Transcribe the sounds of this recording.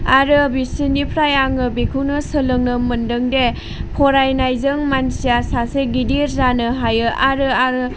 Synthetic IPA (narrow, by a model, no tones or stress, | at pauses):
aɾɯbisinipʰɾajaŋɯbekʰɯwnɯsɯlɯŋnɯmɯndɯŋde | pʰɔɾajnajzɯŋmansijasaseɡidiɾzanɯɦajɯʔaɾɯaɾ